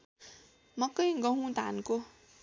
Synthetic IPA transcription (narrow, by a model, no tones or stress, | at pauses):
mʌkʌjɡʌɦũd̪ʱa̰nko